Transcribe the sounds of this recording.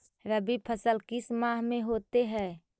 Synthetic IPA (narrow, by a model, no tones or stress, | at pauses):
ɾəbipʰəsəlkɪsmãːɦmẽɦoːt̪eɦɛː